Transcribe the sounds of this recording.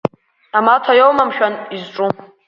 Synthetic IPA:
amatʰajowmamʃᶣanizʈ͡ʂʼu

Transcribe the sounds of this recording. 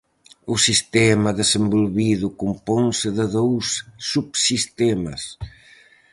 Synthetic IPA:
ʊsist̪ɛmɐðesembolβiðʊkumpɔnsɪðɪðowsːuβsist̪ɛmɐ̰s

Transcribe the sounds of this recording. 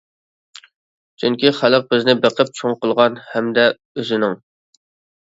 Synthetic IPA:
t͡ʃʰyŋkʲiχælˠəq̚bɪznɪbeqʰəp̚t͡ʃʰoŋqəlˠʁɑnhɛmd̪ɛ | øzɪnɪŋ

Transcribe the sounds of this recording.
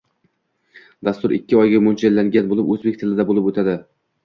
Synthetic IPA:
d̪ast̪ʊɾɪ̰kʲːɪɒjɡʲamont͡ʃʰalːaŋɡʲanbolɪpɵzbekʲt̪ʰɪlɪd̪abolˠɪpot̪ʰad̪ɪ

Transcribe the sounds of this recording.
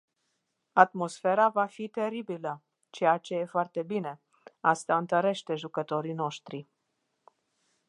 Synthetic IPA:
at̪mo̞sfe̞ɾavafit̪e̞ɾibilə | t͡ʃe̞jat͡ʃe̞je̞foart̪e̞bine̞ | ast̪aɨnt̪əɾe̞ʃt̪e̞ʒukət̪o̞ɾino̞ʃt̪ɾi

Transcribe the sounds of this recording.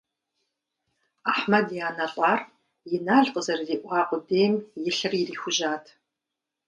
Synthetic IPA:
aħmɐdjaːnɐɬʼɑːr | jɪnaːɮqəzɐrziːʔʷɑːqʷʼʊdeːmjɪɬɨririːxʷʊʒaːtʰ

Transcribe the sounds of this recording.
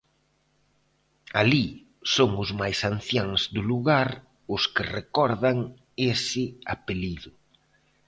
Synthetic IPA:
ali | soŋʊzmajsan̟θjaŋzd̪ʊluɣaɾ | ʊskɪrekɔɾðaŋ | esɪapeliðʊ

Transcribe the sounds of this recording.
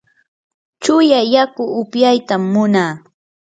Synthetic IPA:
t͡ʃʊjajakʊʊpjajt̪amːʊnaː

